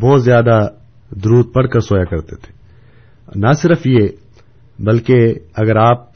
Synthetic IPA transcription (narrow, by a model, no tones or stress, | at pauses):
bɔːt̪zjaːd̪a | d̪ʊɾuːt̪̚pɐɽ̤kəɾsoːjakɐɾt̪et̪ʰe̥ː | nasɪɾəfje | bɐlkeɐɡəɾaːp̚